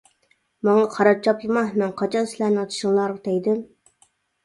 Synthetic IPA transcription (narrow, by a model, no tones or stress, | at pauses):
mɑŋɑqʰɑɾɑp̚t͡ʃʰɑplˠɨmɑhmɛnqʰɑt͡ʃʰɑnsɪlæɾnɪɑt̪ʰʃiŋlˠɑɾt̪ɛjd̪ɪm